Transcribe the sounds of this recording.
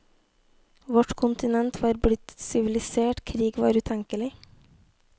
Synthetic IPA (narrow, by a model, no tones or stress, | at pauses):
ʋɔʈkʰʊnt̪ɪnɛnt̪ʋɑːɾblɪt̪sɪʋɪlɪseːʈkʰɾiːɡʋɑ̰ːɾʉːt̪ʰɛŋkəlɪ